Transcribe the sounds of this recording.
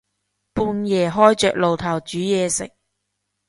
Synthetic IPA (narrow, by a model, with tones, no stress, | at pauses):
puː˧njɛː˨˩ɦɔː˥jt͡ʃœː˨k̚lo˨wt̪ʰɐ˨˩wt͡ʃyː˨˥jɛː˨˧sɪ̰˨˩k̚